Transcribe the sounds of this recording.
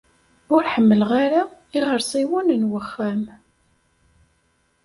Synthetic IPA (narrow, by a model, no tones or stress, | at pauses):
ʊɾħəmːəlʁaɾaiʁəɾsˤiwʊnənwəχːæm